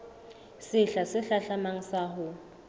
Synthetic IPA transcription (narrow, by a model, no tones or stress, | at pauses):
sɪɬasɪɬaɬamaŋ̩saɦʊ